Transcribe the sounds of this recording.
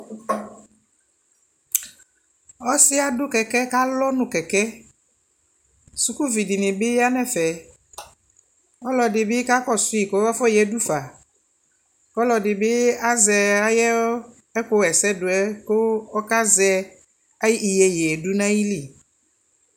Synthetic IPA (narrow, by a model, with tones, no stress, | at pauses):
ɔ˦sɪ˦a˨dʊ˦kɛ˨kɛ˦ka˦lɔ˦nũ˨kɛ˨kɛ˦ | su˨ku˦vi˨di˨nĩ˨bɪ˦ja˦nɛ̃˨fɛ˨ | ɔ˦lɔ˨dɪ˨bɪ˦ka˦kɔ˦su˦i˨ko˨˦a˦fɔ˦jɛ˨du˦fa˨ | ɔ˦lɔ˨dɪ˨bɪ˦a˦zɛ˨a˦jɛ˦ | ɛ˦ko˦ɛ˨sɛ˦dʊ˨ɛ˦ko˦ɔ˦ka˦zɛ˦ | a˦i˨jɛ˨jɛ˨ɛ˨du˦nã˦ji˦li˨